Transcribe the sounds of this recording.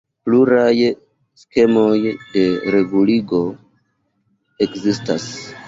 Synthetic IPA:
pluɾaj | ske̞mo̞jde̞ɾe̞ɡuliɡo̞ | e̞kzistas

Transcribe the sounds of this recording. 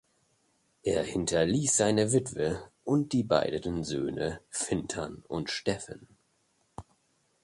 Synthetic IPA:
ʔeːɐhɪntʰɐliːsz̥aɪnəvɪtv̥əʔʊnt̚d̥iːba̰ɪdətənzø̰ːnəfɪntʰɐnʊ̰ntʃtɛfə̰n

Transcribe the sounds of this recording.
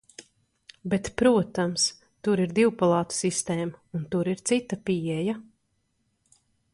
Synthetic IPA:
bet̪pɾuɔt̪ams | t̪uɾiɾd̪iwpalˠɑːt̪u̥sist̪eːmaunt̪uɾiɾt̪sit̪ːapiɛja

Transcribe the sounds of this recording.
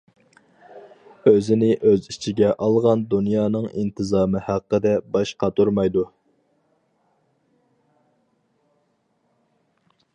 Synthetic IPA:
øzɪnɪʔøzit͡ʃʰiɡʲɛʔɑlˠʁɑnd̪unjɑːnɨŋint̪ʰɨzɑːmɨhæqːəd̪ɛbɑʃqʰɑt̪ʰuɾmɑjd̪u

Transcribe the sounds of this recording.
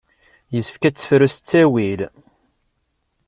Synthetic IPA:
jəsfkæt͡sːə̥fɾust͡sːæwil

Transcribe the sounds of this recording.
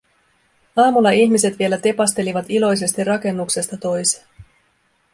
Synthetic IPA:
ɑːmulːɑiçmise̞t̪ʋielæt̪e̞pɑst̪e̞liʋɑt̪ilo̞js̬e̞st̪irɑke̞nːukse̞st̪ɑt̪o̞jse̥

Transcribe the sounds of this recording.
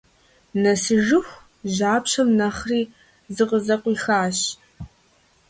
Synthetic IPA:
nɐsɨʒɨxʷ | ʑaːpɕɐmnɐχriː | zɨqəzɐqʷiːxaːɕ

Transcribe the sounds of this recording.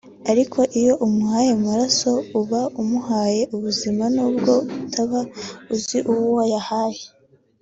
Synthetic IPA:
aɾikʰo̞ʔijo̞ʔumuhaje̞maɾaso̞uβaumuhaːje̞ʔuβuzimanuːb̚ɡo̞utʰaβauziʔuwuwajahaje

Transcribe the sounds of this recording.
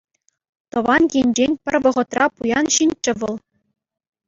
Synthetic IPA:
t̪ɤ̆ʋɑnkʲenʲd͡ʑenʲpʲɘ̆rʲʋɤ̆ʁɤ̆t̪rɑpujɑnɕinʲt͡ɕːɘ̆ʋɤ̆lˠ

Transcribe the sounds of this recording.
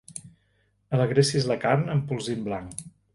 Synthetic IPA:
ələɣɾesizləkaɾnəmpulˠzimblaŋ

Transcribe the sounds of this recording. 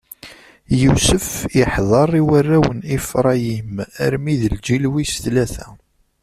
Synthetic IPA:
jusəfɪħðˤɑɾˤiwərːæwənifɾˤɑjimə̰ɾmiðəld͡ʒilwisθlæθæ

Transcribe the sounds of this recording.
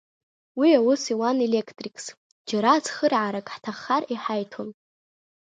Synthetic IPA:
wiawʊsiwane̞lekʰtʼrikʰʼs | d͡ʒaɾat͡sχərʕaɾakʼħtʰaχariħajtʰon

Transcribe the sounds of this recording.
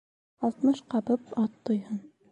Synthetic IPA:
ɑlˠt̪mɤʃqɑbɤpɑt̪ːŏjhɤn

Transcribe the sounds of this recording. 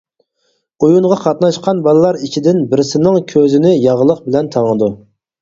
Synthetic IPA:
ujuɴʁɑqʰɑt̪nɑʃqʰɑnbɑlˠɨlˠɑɾit͡ʃʰid̪ɪnbɪɾɪsɪnɪŋkʲʰøzɪnɪjɑʁlˠəqbɪlɛnt̪ʰɑŋəd̪u

